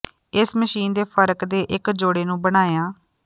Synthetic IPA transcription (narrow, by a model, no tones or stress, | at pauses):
ɪsməʃiːnd̪eːpʰəɾkd̪eːʔɪkd͡ʒoːɽeːnũːbəɽ̃aːjaː